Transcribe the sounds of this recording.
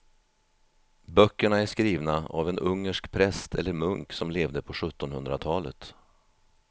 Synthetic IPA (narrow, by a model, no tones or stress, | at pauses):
bœkːəɳaæʂkɾiːvnaa̰vɛnɵŋːəʂkpʰɾɛst̪ʰɛlːəɾmɵŋksɔmleːvd̪əpʰɔɧɵt̪ːɔnhɵnd̪ɾat̪ʰɑːlə̰t̪